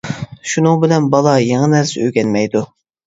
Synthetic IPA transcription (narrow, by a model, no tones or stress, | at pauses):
ʃunɨŋbɪlɛnbɑlˠɑjeŋɨnæɾsɪøɡʲɛnmɛjd̪u